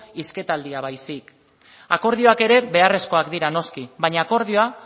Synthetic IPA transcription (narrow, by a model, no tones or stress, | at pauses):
iske̞t̪ald̪iaβajsik | ako̞ɾð̞io̞ake̞ɾe̞βe̞are̞sko̞akd̪iɾano̞skiβaɲaːko̞ɾð̞io̞a